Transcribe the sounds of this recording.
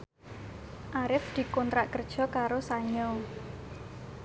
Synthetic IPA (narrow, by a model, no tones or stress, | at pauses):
ʔaɾɪfd̪̥i̤kɔnt̪ɾaʔkərd̥ʒ̥ɔ̤kaɾosaɲɔ